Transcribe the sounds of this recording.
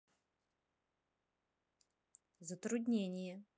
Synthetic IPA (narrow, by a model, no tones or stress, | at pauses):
zət̪ɾʊd̪ʲnʲenʲɪjə